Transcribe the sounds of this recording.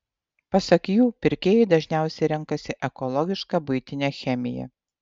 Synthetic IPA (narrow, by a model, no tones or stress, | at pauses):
pɐsɐkjuːpʲɪɾʲkʲeːjɛɪd̪ɐʒʲnʲæˑʊsʲɛɪɾʲɛŋˑkɐsʲɪʔɛkɔlˠɔɡʲɪʃkɑbʊɪt̪ʲɪnʲeːxʲɛmʲɪjɛ̰